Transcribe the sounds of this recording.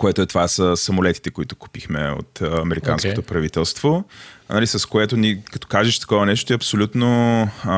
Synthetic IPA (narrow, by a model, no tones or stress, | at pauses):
koɛt̪oɛt̪ovasəsɐmolɛt̪i̥t̪ɛkoit̪ʊ̥ku̥pixmɛ̰o̰t̪ɐmɛɾikanskot̪opɾɐvit̪ɛlˠst̪v̥onɐlisɐskoɛt̪onikɐt̪ɔ̥kaʒɛʃt̪ɐ̥kɔvɐnɛʃt̪ot̪iɐpsolʲut̪no